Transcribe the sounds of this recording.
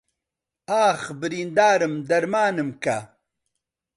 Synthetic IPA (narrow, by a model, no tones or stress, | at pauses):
aːxbiɾind̪aːɾəmd̪ɐɾmaːnɨmka